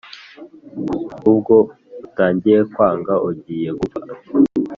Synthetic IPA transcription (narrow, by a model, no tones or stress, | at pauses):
ub̚ɡo̞ | taːɲɟiɾekwaːŋɡaʔoɟiːje̞ɡubaɾ